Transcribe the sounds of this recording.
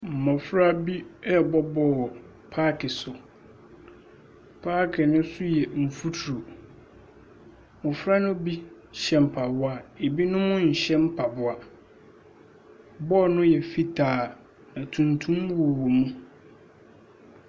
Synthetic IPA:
m̩˨mɔ̃˨fɾa˦bi˦ɛ˦˨bɔ˦bɔ˦˨ | pʰaː˦kʰɪ˨sʊ˨ | pʰa˦kʰɪ˨nʊ̃˦sʊ˦jɛ˨m̩˨fu˦tʰɾu˨ | mʊ̃˨fɾa˦nʊ̃˦bi˦ | ɕɛ˨m̩˨pʰa˨bʊ˦a˨e˨bi˦nʊ̃˦mʊ̃˦ɲ̩˨ɕɛ̃˦m̩˦pʰa˨bʊ˨a˨ | bɔː˦˨nʊ̃˦jɛ˨fi˦tʰaː˨ | nã˨tʰũ˨ntʰũ˦mwo˨wo˨mũ˦

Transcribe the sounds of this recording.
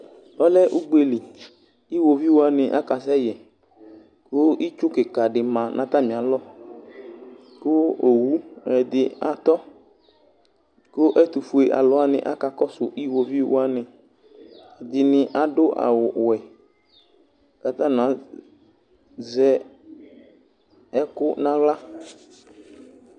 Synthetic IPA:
ɔ˦lɛ˦ʔu˦ɡ͡be˨li˨ | i˦wo˨vi˦wo˦a˦nɪ˨ʔa̰˦ka˨s̬ɛ˦jɛ˨ | kʊ˦i˦t͡ʃʊ˦kɪ˨ka˨ɖɪ˨mã˨nʔã̰˨t̪a˦mɪ̃˨a˨lɔ˦ | kʊ˦o˨wu˦ɛ˨d̪ɪ˨a˨t̪ɔ˦ | kʊ˦ʔɛ˦t̪u˨fu˨e˨ʔa̰˨lɔ˦a˦nɪ̰̃˨ʔa̰˦ka˨kɔ˦sʊ˨ʔi˦wo˨vi˦wʊ̰˦a˦nɪ̃˨ | a˨d̪ɪ˨nɪ˨ʔa˨ɖʊ˦ʔa̰˨wʊ˨wɛ˨ | ka˨t̪ã˦nã˨˦ | zɛ˦ | ɛ˦kʊ˦nã˦ɣla˦

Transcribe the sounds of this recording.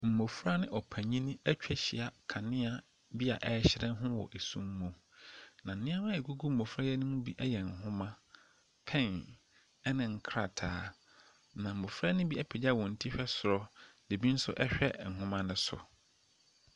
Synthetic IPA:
m̩˨mo˨fɾa˦nɪ̃˦ʔɔ˨pʰæ̃˨ɲĩ˦nĩ˦æ˦t͡ɕᶣɛ˦ɕi˨a˨kʰã˨nɪ̃˦a˨ | bi˦a˨ʔɛ˨˦ɕɪ˦ɾɛ̃˦n˦ɦʊ̃˦wɔ̰˨ʔe˨sṵ̃˦m̩˦mõ˨ | nã˨n̩˨nɪ̃˦a˦mã˦ɛ˨ɡu˦ɡu˦m̩˦˨mo˨fɾa˦jɛ˦nʊ̃˦mʊ̃˦bi˦ʔɛ˦jɛ˨ŋ̩˨ɦʊ̃˦mã˦ | pʰɛ̃˦˨n | ɛ˦nɪ̃˨ŋ̩˦kʰɾa˨tʰaː˨˦ | nã˨m̩˨mo˨fɾa˦nʊ̃˦bi˦ɛ˦˨pʰɪ˨d͡ʑa˦˨wɔ̃˨n̩˨tʰi˦ɕᶣɛ˦sʊ˨ɾɔ˦de˨bi˦n̩˦sʊ̰˦ʔɛ˦ɕᶣɛ̰˦ŋ̩˨hʊ̃˦mã˦nɪ̃˦sʊ̰˨

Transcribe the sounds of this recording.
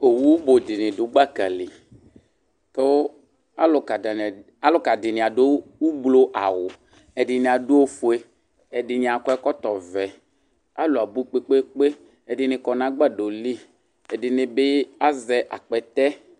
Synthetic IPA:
o˨wu˦wu˦bo˨dɪ˨nɪ̃˨dʊ˨˦ɡ͡ba˦ka̰˨li˨ | t̪o˦ | a˦lo˨ka˨da˨n˨ | a˦lo˦ka˨dɪ˨nɪ̃˨a˨do˦wu˦ɡ͡blo˦ʔa˨wʊ˨ | ɛ˨dɪ˨nẽ˨a˨du˦o˦fu˨e˦ | ɛ˨dɪ˨ɲ˨ã˨kɔ˦ɛ˦kɔ˦t̪ɔ˨vɛ˨ | a˦lo˨a˨bu˦k͡pe˦k͡pe˦k͡pe˦ | e˨dɪ˨nɪ̃˨kɔ˨nã˨˦ɡ͡ba˦do˨li˦ | ɛ˨dɪ˨nɪ̃˨be˦a˦zɛ˨ʔa̰˨k͡pɛ˨t̪ɛ˦

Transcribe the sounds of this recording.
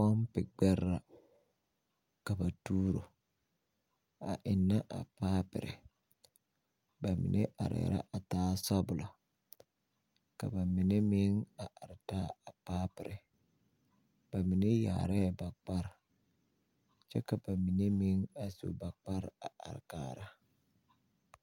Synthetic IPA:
kɔ˦mpɪ˨ɡ͡bɛ˦ɾːa˨ | ka˨ba˨tuː˦ɾo˨ | a̰˨ʔɪ˨nːa˦ʔa̰˨paː˦pɪ̰˨ɾɪ̰˨ | ba˨mɪ̰˨nʔḛ˦ʔa̰˨ɾɛ̰˨ɾa̰˦ʔa˨taː˦sɔ˦bʊ˨la˨ | ka̰˨ba˨mɪ˨ne˦mɪ˦ŋa˨ʔa˨ɾtaː˦a˨paː˦pɪ˨ɾɪ˨ | b̥a˨mɪ˨ne˦ja̰ː˨ɾɛ˦˨ba˨k͡pa˦ɾ | t͡ʃɛ˦ka˨ba˨mɪ˨ne˦mɪ˦ŋa˨sṵ˨ba˨k͡pa˦ɾa˨ʔa̰˨ɾkaː˨˦˨ɾa˦

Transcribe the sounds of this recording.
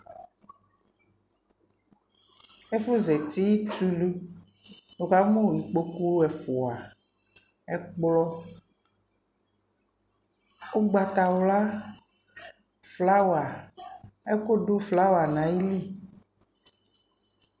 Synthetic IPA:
e˦fu˦zɛ˨t̪i˦ji˦t̪u˦lu˦ | o˨ka˦mõ˦˨ji˨k͡po˨ku˦ɛ˨fo˨a˨ | ɛ˦k͡plɔ˦ | o˦ɡ͡ba˨t̪a˨wo˦la˦ | fla˦wa˨ | ɛ˦ko˦ɖo˦fla˦wa˨nã˨ji˦li˦˨

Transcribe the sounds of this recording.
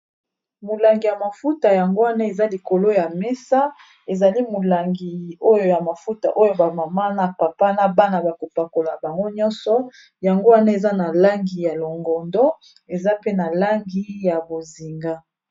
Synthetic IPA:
mo˨la˨ŋɡi˨ja˨ma˨fu˦ta˨ja˨ŋɡo˦wa˦na˦e˨za˦li˨ko˨lo˦ja˨mɛ˦sa˦ | e˨za˨li˦mo˨la˨ŋɡi˨o˦jo˨ja˨ma˨fu˦ta̰˨ʔo˦jo˨˦ba˨ma˨ma˦na˨pa˨pa˦na˨ba˦na˨ba˨ko˨pa˨ko˨la˨ba˨ŋɡo˦ɲɔ̃˦nsɔ˨ | ja˨ŋɡo˦wa˦na˦e˨za˦na˨la˦ŋɡi˨ja˨lo˨ŋɡɔ˨ndɔ˦ | e˨za˦pe˦na˨la˦ŋɡi˦ja˨bo˨zi˨ŋɡa˦

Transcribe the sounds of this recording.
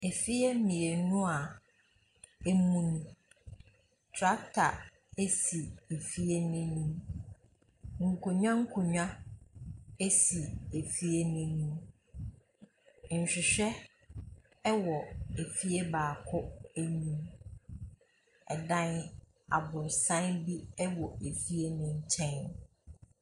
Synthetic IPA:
e˨fi˦e˦mĩ˨e˨nũ˦a˨ | e˦mũ˦ñ˨ | tʰɾa˦k̚tʰa̰˨ | e˦si˨e˨fi˦e˦nɪ̃˦nũ˦ | ŋ̩˨kʰʊ˨ɲᶣã˦ŋ̩˦kʰʊ˨ɲᶣã˦ | e˦si˨e˨fi˦e˦nʊ̃˦ñ˦˨ | n̩˨ɕᶣɪ˨ɕᶣɛ˦ | ɛ˦wɔ˨e˨fi˦e˦baː˨kʰʊ˦æ˦ɲĩ˦m | ɛ̰˨dã˦n | a̰˨bʊ˨ɾsã˦bi˦ɛ˦wɔ˨e˨fi˦e˦nʊ̃˦ɲ̩˦t͡ɕʰɛ̃˦n

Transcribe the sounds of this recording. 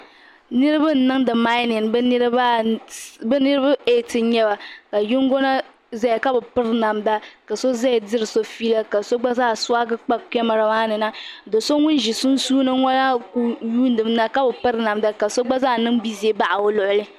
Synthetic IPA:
nɨ˦ɾɨ˦ba˦n̩˨nɨ˦ŋdɨ˨ma˦nɪ˨nbɛ˦n˦ɾba˦ | bɨ˦nɨ˦ɾɨ˦ba˦e˦˨tɨ˨˦ɲɛ˦ba˨ka˨ju˦ŋɡɔ˦na˦ | za˦ja˨ka˦bɨ˨pɨ˦ɾna˨mda˦ka˨so˦za˦ja˨dɨ˦ɾɨ˨so˦fi˦la˦ka˨so˦ɡ͡ba˦zaː˦˨swa˦ɡɨ˦k͡pa˦kɛ˦ma˨ɾa˨maː˦nɨ˨na˦dɨ˨so˦ŋʊ˦n˦ʒi˨su˦nsuː˦nɨ˦ŋɔ˦na˦ku˦juː˦n˦dɨ˨m˦na˦ka˦bɨ˨pɨ˦ɾna˨mda˦ka˨so˦ɡ͡ba˦zaː˦˨nɨ˦ŋbi˦zi˨e˨ba˦ʔa˨o˦lʊ˨ʔʊ˨lɨ˦

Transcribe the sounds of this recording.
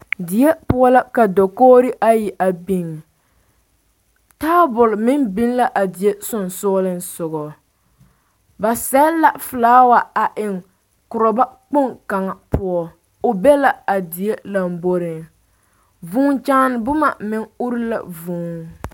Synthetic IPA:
dɪ˨je˦pʊ˦ɔ˦la˦ka˨dɔ˨koː˦ɾɪ˦ʔa˦ji˨ʔa˨bi˨ŋ˨ | taː˦bʊ˨lmɪ˦nbɪ˦nla˦ʔa˨dɪ˨je˦sʊ˦˨n˨sɔː˦lɪ˦nsʊ˨ɣɔ˨ | ba˨sɛ˦la˦fʊ˨laː˦wa˨a˨ʔɪ˨ŋ | kʊ˨ɾɔ˨ba˦k͡pʊ˦˨ŋka˨ŋa˨pʊ˦ɔ˦ | ʊ˨bɛ˦la˦a˨dɪ˨je˦la˨mbo˦ɾɪ˨ŋ | vuː˦ŋt͡ʃaː˦n˨bʊ˦ma˨mɪ˨ŋʊ˦ɾɪ˦la̰˨vuː˨˦ŋ

